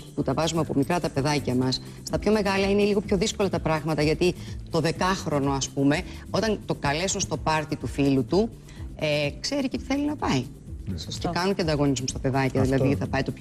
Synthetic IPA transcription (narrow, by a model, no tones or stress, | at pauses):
put̪ɐvɐzumeɐpo̞mikɾɐt̪ɐpe̞ðɐcɐmɐs | st̪ɐpço̞me̞ɣɐlɐine̞liɣo̞pço̞ðisko̞lɐt̪ɐpɾɐɣmɐt̪ɐʝɐt̪it̪o̞ðe̞kɐxɾo̞no̞ɐspume̞o̞t̪ɐnt̪o̞kɐle̞sunst̪opɐɾt̪it̪ufilut̪u | ekse̞ɾicet̪i̥θe̞linɐpɐi | cekɐnuceɐnd̪ɐɣo̞nizmust̪ɐpe̞ðɐcɐðilɐðiθɐpɐjt̪op